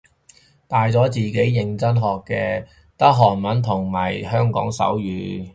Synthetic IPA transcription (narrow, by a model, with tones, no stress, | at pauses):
t̪aː˨jt͡sɔː˨˥t͡siː˨ke˨˥jːɪ˨ŋt͡sɐ˥nɦɔː˨kːɛː˧ | t̪ɐ˥k̚ɦɔː˨˩nmɐ˨˥nt̪ʰʊ˨˩ŋmɐ˨˩jhœː˥ŋkɔ̰ː˨˥ŋsɐ̰˨˥wjyː˨˧